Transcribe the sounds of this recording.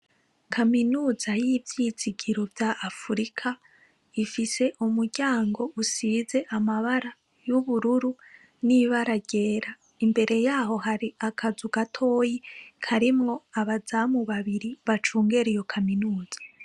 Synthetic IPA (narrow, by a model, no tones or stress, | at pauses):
kʰaminuːzajivjiziɡiɾovjaʔafuɾikʰa | ifise̞ʔumuɾɟaːŋɡo̞usiːze̞ʔamaβaɾa | juβuɾuɾu | niβaɾaɟe̞ːɾa | imbe̞ɾe̞jaːɦo̞ɦaɾiakʰazuɡatʰo̞ːjikʰaɾimŋo̞aβazamuβaβiɾiβat͡ʃuːŋɡeɾijo̞kʰaminuːz̥ḁ